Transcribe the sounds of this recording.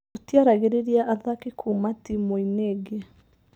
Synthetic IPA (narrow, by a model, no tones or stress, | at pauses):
otiaɾaɣeɾeɾiaʔaðakikʰumatimoineɡe